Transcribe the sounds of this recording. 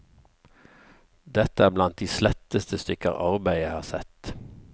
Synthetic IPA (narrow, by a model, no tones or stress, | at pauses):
d̪ɛt̪əæːblɑnt̪̚d̪iːslɛt̪əst̪əst̪ʏkə̰ʁɑʁbæɪæɪhɑːsɛt̪